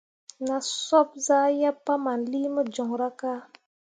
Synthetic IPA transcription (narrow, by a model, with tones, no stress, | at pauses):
na˨sɔ˦b̚zaː˦ja˦pːa˦ma˨nliː˦mə˦d͡ʒɔ˨ŋɾa˦ka˦